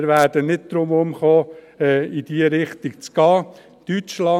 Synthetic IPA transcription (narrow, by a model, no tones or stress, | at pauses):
ɾʋæːɾd̥ənɪd̚d̪̥ɾʊmʊmχoː | id̥iəɾɪχt̪iɡt͡sɡ̥ɑː | t̪yt͡ʃlɑ